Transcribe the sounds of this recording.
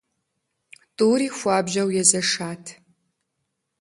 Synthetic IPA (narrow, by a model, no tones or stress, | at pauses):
tʼuːɾiːxʷaːbʒɐwjɛzɐʂaːtʰ